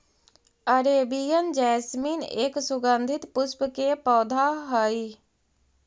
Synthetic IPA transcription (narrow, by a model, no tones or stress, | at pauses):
əɾeːbijənd͡ʒɛːsmiːnḛːksʊɡənd̪ʱɪt̪pʊspkepɔːd̪ʱaɦəi